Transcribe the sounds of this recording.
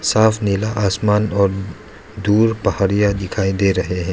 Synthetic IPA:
saːfʰnɪlaʔaːsmaːnɔːɾ | d̪uːɾpɐɦaːɾijad̪ɪkʰaːid̪eːɾɐɦeɦɛ̃ː

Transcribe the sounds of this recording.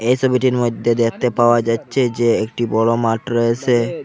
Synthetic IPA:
ejsɔbʱiʈiɾmod̪ʱːed̪ek̚ʰt̪epaoad͡ʑatːɕʰed͡ʑeekʈibɔlomaʈɾɔet͡ɕʰe

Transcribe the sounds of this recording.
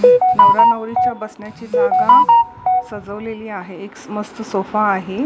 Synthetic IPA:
noɾanəʋɾit͡ɕjabəsɳjat͡ɕiːnaɡan | səd͡zəʋleliːaɦeeksməst̪sofaːɦe

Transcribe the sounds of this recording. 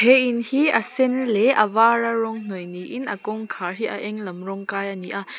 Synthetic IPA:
hɛʔinhiʔɐsɛnlɛʔɐvaːrarɔŋŋ̥ɔjniʔinʔɐkɔŋkʰaɦiʔɐʔɛŋlɐmrɔŋkaːjʔaniʔa

